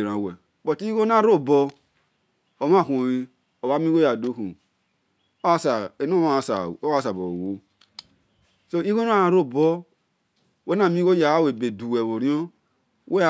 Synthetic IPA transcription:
ɾa˨wɛ˨ | bɔ˨ti˦i˦ɡo˦na˦ɾo˦˨bɔ˦ | o˨m˦a˦˨kʷo˨wi˦ | o˨wa˦mĩ˦ɡo˦ja˨do˦ku˨ | o˦a˦sa˨e˨n˦o˦ma˦˨sa̰˨o˦a˦˨s̬a˨bo˨wo˦ | so˦i˦ɡo˦n˦a˦a˨ɾo˦˨bɔ˦ | wo˦na˨mĩ˦ɡo˦ja˨wa˦we˨be˨du˨we˨βo˨ɾĩ˦o˦ | we˦

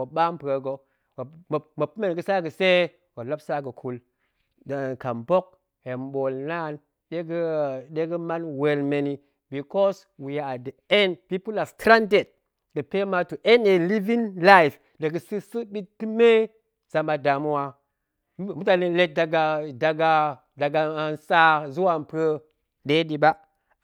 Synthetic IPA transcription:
wo˨ɓa˦m˦pe˨ɡo˨ | o˨m˨mo˨pu˦me˨n˨ɡə˨sa˦ɡə˨se˦ | ɡo˨la˦bsa˦ɡə˨kʰu˨l | dka˨mbo˦k̚ | he˨mɓo˨lna˦˨n | ɗe˦ɡə˦ɗe˦ɡə˦ma˦nwe˨lme˨ni˨ | bi˨kɔ˦s | wi˨ja˨a˨də˨e˦npi˦pu˦la˨ftɾa˦nde˨t̚ | ɡ̥ə˨pe˦ma˦tu˨ʔe˦ne˨li˦vi˦nla˦jf | də˨ɡə˨si˦sɨ˦ɓi˦tti˦me˦ | z̥a˨ma˨da˨mu˦wa˨˦ | mu˦ta˨ni˨le˦t̚da˨ɡa˨da˨ɡa˨ | da˨ɡa˨nsa˦zu˦wa˨npʰə˦ | ɗe˦di˨ba˦

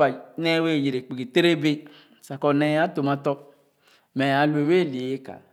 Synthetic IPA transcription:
a˨˦ne˦we˦˨ji˨ɾe˨k͡pi˨ɡi˨te˦ɾe˦be˦˨ | sa˨kɔ˨nɛ˦ja˦to˨ma˦tɔ˦ | mɛ˨a˨lu˨e˨we˦˨li˨e˦ka̰˨

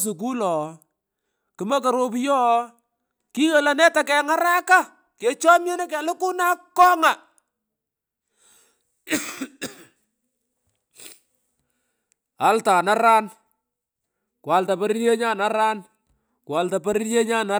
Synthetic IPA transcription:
s̬ʊ˨k̬u˦lɔ˨ | kɨ˨mɐ˦ka˨ɾo˦p̬jɔ˦ | ki˦ɣə˨la˨nɛ˦ta˨kɛ˨ŋa˦ɾa˦ka˦ | ke˨t͡ʃɔ˦mje˦nɛ˦kɛ˨lʊ˦ku˦na˦kːɔ˦ŋa˨ | a˦lta˨na˦ɾa˦n | kwa˨lta˨pa˦ɾi˦je˦ɲa˦na˦ɾa˦n | kwa˨lta˨pa˦ɾi˦je˦ɲa˦na˦

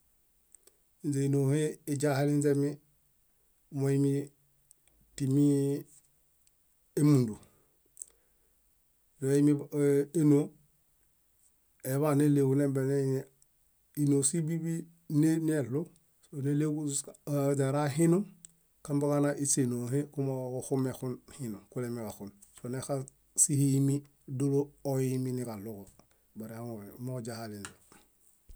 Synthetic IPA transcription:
inze˨no˨he˦i˦ɟa˦he˦li˦nze˦mi˦ | moimi˦ | ti˨mi˦ | e˦mu˨ndu˨ | joi˦mi˦e˦no˦ | e˨βa˦ne˦le˨ɡu˨ne˦mbe˨ne˦ | i˨no˨si˦bi˦bi˦ | nen˦e˨lu˦ | sne˦le˦ku | d͡ʒaɾa˦ɦi˦nu˦m | ka˦mba˦kana˦ʔi˦se˨no˨ɦe˦ku˦mokuxu˦mexu˦nhi˦nu˨mku˦lemi˨kaxun | so˨nexa | si˦hi˦mi˦ | du˦lo˦oimi˦nika˨lu˦ko | ba˨ɾeamod͡ʒa˨hali˨ndu

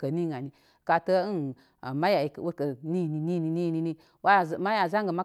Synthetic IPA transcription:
kə˨ni˦˨ŋa˨ni˨ | ka˧tə˦n˨ | ma˦ja˨wo˦kə˨ni˦˨ni˨ni˦˨ni˧ni˦˨ni˧ni˦ | wa˦˨ma˦ja˨za˦ŋɡə˨ma˦

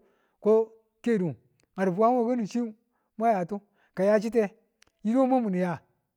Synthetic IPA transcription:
ko˦ | ke˦˨du˨ | ŋa˨ɾbu˨wa˦o˦˨ko˦ni˨t͡ʃi˦ | ma˦ja˨tu˦ | ka˨ja˦t͡ʃi˦te˦ | ji˦ɾo˦mu˦mu˨ni˨ja˦

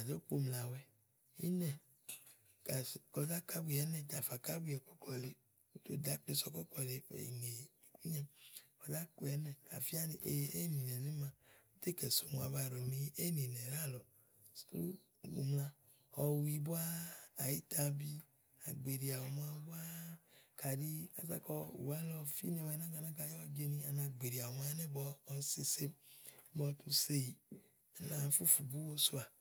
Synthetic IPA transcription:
a˨do˦k͡po˨mla˨wɛ˦ | ḭ˦nɛ˨ | ka˨kɔ˧da˦ka˦bi˨jɛ˨˦nɛ˨da˨fa˨ka˦bu˦ɛ˨kɔ˦klɔ˨le˨ | u˦to˦da˨˦k͡pe˧sɔ˧kɔ˦klɔ˨le˨ɛ̰˨ḭ˨ŋe˨i˨ku˦ɲɛ˦ɔ˨da˦ko˨ɛ˨˦nɛ˨ka˨fi˦a˦ne˨ʔe˨e˦ni˨nɛ˨ne˦ma˨u˦t̪e˦kɛ˨so˨m˨a˨βa˧˨ɾo˨ni˦e˦ni˨nɛ˨ɾa˦˨lɔ˨ | slu˦˨ | ṵ˨mlã˧ | ɔ˧wi˧bo˦aː˦˨ji˦t̪a˧bi˦ | a˨ɡ͡be˨ɾi˨a˨wo˨ma˧ba˦kʰa˨di˦a̰˨za̰˨kɔ˧ṵ˨wa˦lɔ˧fḭ˦nɛ˨wnã˦ɡa˧˨nã˦ka˧jɔ˦a˧d͡ʒe˧nĩ˧a˨nã˧ɡ͡be˨ɾi˨a˨o˨ma˦nɛ˦bɔː˧˦se˧se˦bɔ˧˦tũ˧se˦ji˨ | a˨nã˨˦fu˦fu˨bu˦wo˦su˦a˨

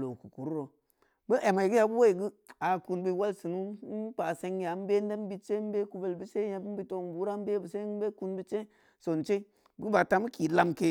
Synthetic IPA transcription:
lo˨ku˨ku˨ɾu˦ɾo˨ | bə˦ʔe˨ma˨ɡu˦ja˧bu˦we˦i˨ɡɨ˦a˨ku˧nbi˦wa˦lsɨ˨nu˦pa˨se˧ŋja˨˦m̩˦be˦n˦de˦m˦bi˧t͡ʃe˦m˦be˦ku˧ve˨lbi˦se˦ja˨bi˦bi˦to˧m˦buː˦ɾa˦m˦be˦bə˨se˦be˦ku˧nbi˦t͡ʃe˦ | so˨nt͡ʃe˦ | bɨ˦ɡɨ˦ba˨ta˦mu˦ki˨la˧mke˦

